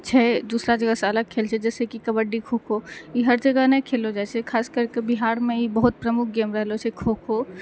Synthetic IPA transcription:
t͡ʃʰɛd̪usɾad͡ʒəɡəseələɡ̚kʰelt͡ʃʰɛd͡ʒɛːsekikəbəɖikʰokʰoiɦəɾd͡ʒəɡənəkʰelod͡ʒat͡ʃʰɛkʰaːskəɾkebiɦaɾmeibəɦut̪̚pɾəmuk̚ʰɡemɾəɦlot͡ʃʰɛkʰokʰo

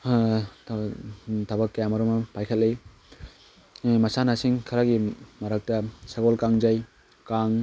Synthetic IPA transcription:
tʰɐbɐkːɐjamɐɾɔmɐpajkʰɐt̚lej | mɐsanasiŋkʰɐɾaɡimɐɾak̚tɐsaɡɔlkaŋd͡ʒaj | kaŋ

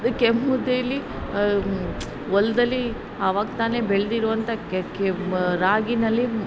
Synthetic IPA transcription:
d̪ukemːud̪ejɐlːi | ʋɔlːɐd̪ɐlːi | ɐʋaːɡ̚t̪aːne̞ːbeɭd̪iɾuʋɐnt̪ʰɐkɾaːɡinɐlːi

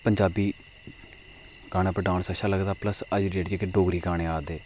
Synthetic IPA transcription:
pəɲd͡ʒaːbiː | ɡ̥aːɽ̃aːpəɾɖãːɳsəʃaːləɡd̪aːpləsəd͡ʒɾeːʈd͡ʒeːkeɖoːɡɾiːɡaːɽ̃ẽːaːd̪eː

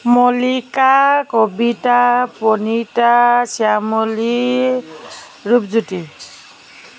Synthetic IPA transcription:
mɔlikakɔbitapɔnitasiamoli | ɹupzuti

